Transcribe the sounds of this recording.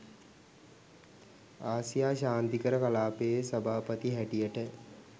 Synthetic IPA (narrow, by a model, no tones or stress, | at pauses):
aːsijaːɕaːnt̪ikəɾəkalaːpesɐbʱaːpət̪iɦæʈijəʈə